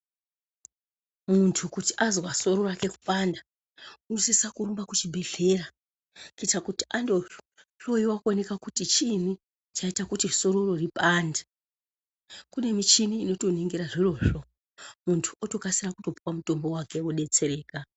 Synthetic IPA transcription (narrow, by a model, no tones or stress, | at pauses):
muntʰukuti̥ʔazwaso̞ɾo̞rake̞ku̥pʼanda | unosisakurumbakut͡ʃibʱe̞ɮe̞ra | kitakuti̥ʔando | ɬo̞jiwakone̞kakutit͡ʃini | t͡ʃaitakutiso̞ɾo̞ro̞ripaːndḁ | kune̞mit͡ʃiniːno̞to̞niŋɡiɾaʐiro̞ʐo̞ | muntʰu̥oto̞kasirakuto̞puwamuto̞mbo̞wake̞oɗe̞t͡se̞ɾeːka